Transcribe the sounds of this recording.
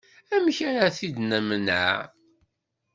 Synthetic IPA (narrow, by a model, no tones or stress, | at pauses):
æmçaɾaθid̪næmənʕa̰